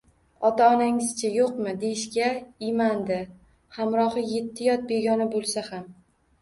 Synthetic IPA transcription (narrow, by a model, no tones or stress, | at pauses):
ɒt̪aɒnaŋɪz̥t͡ʃʰajoqmɪd̪e̞jɪʃkʲaɪmand̪ɪ | hamɾɒχɨje̞t̪ʰːɪjɒt̪̚be̞ɡʲɒnɪbolˠsaham